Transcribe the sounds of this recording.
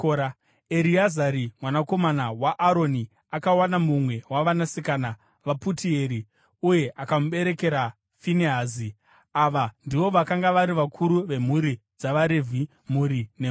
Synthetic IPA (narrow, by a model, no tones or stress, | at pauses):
a | eɾiazaɾimwanako̞manawaʔːɾo̞ni | akawanamumwe̞waʋanasikaːna | ʋaputieɾi | uje̞ʔakamuɓe̞ɾe̞ke̞ɾa | fineɦaːzi | aʋandiʋo̞ʋakaŋɡaʋaɾiʋakʰuɾuʋe̞m̤uɾi | d͡zaʋaɾevʱi | muɾine